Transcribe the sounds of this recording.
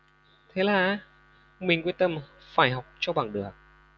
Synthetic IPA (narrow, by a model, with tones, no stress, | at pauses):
t̪ʰe˨˦laː˨˩a˨˦ | mï˨˩ŋ̟kwənt̪ə˧˩m | faː˧˩jɦɔ˨˩wk͡p̚t͡ɕɔ˧ɓaː˧˩ŋɗɨ˨˩ək̚